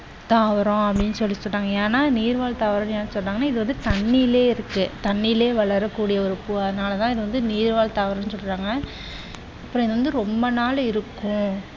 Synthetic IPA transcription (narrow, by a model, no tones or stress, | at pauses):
t̪aːʋɐɾɔ̃ɐpːɐɽɪnːɯsɔlːɪsɔlːaːŋɡɐeːnaːniːɾʋaːlt̪aːʋɐɾɐ̃njaːnːɯsɔlːaːɡɐnaːɪðɯʋɐnd̪ɯt̪ɐɳːileːɪɾɯkːɯt̪ɐɳːileːʋɐɭɐɾɐkːuːɽɪjɐɔɾɯpːuɐðɐnaːlɐt̪ãːɪðɯʋɐnd̪ɯniːɾʋaːlt̪aːʋɐɾɐ̃nːɯsɔlːɪɾaːŋɡɐ | ɐpːɯɾɔ̃ɪðɐʋɐnd̪ɯɾɔmbɐnaːlɪɾɯkːʊ̃